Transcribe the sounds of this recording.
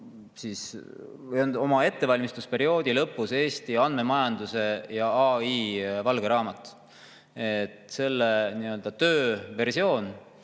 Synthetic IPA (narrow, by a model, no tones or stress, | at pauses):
sis | jond̪o̞mɑe̞t̪ːe̞vɑlʲmist̪uspe̞ɾio̞ːd̪̥ilɤpːˑuse̞ːst̪iɑnd̪̥me̞mɑjɑnd̪use̞jɑɑiːvɑlɡ̥e̞ɾɑːmɑt̪ːˑ | et̪se̞lːeniø̞ld̪̥ɑt̪øːve̞rsio̞ːn